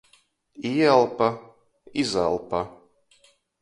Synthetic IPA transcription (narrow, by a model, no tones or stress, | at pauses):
iɛlˠpa | iza̰lˠpa